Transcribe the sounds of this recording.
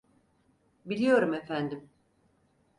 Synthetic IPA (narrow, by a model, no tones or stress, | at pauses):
bilʲijo̞ɾumefænd̪im